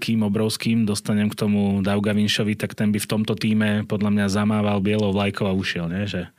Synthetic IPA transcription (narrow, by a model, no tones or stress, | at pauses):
kiːmɔbɾɔʊskiːmd̪ɔst̪aɲɛmkt̪ɔmud̪aʊɡaʋinʃɔʋit̪akt̪ɛnbift̪ɔmt̪ɔt̪iːmɛpɔd̪ʎamɲazamaːʋalbɪɛlɔʊʋlajkʰɔʊauʃɪɛlɲɛʒɛ